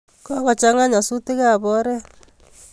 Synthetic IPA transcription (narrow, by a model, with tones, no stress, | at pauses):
kɔ˦kɔ˨t͡ʃa˦ŋa˦ɲa˨su˦tɪ˦ka˦˨bɔ˦ɾɛ˦